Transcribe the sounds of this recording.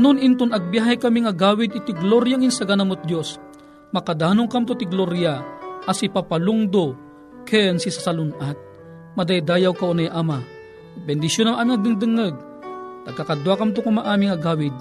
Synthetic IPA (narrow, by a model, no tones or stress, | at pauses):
ɐnʊnɪnt̪ʊnɐɡ̚bjaɦajkɐmiŋɐɡaːwɪd̪ɪt̪ɪɡloɾjaŋɪnsɐɡanɐmʊt̪̚d̪jos | mɐkad̪aːnʊŋkamt̪ʊt̪ɪɡloɾjaʔɐsipapalʊŋd̪o | kɛnsisasalʊnʔat̪̚ | mɐd̪ajd̪aːjawkaʔonajʔama | bɛnd̪ɪsjonaŋʔanɐɡ̚nɪŋd̪ɨŋəɡ̚ | t̪ɐɡ̚kakad̪wakamt̪̬ʊkʊmaʔaːmiŋɐɡaːwɪd̪̚